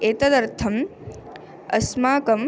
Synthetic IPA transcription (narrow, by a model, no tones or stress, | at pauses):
eːt̪ɐd̪ɐɾt̪ʰɐm | ɐ̰smaːkɐm